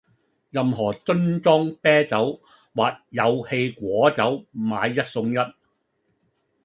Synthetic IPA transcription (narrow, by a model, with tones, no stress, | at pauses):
jɐ˨mɦɔː˨˩t͡sɵ˥nt͡sɔː˥ŋpɛː˥t͡sɐ˨˥w | waː˨k̚jɐ˨˧whe˧jkʷɔː˨˥t͡sɐ˨˥wmaː˨˧jːɐ˥t̚sʊ˧ŋjɐ˥t̚